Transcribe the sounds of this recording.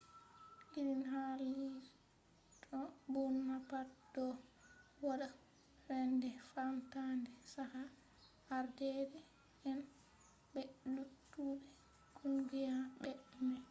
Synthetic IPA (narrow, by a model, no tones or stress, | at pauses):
ʔiɾinɦali | tʰɔbunːapad̥ɔ | waɗa | ɾɛndɛfamtandɛsaha | haɾdɛɾɛ | ɛn | ɓɛlutːuːɾɛ | kʰunɡijaɓɛʔmɛ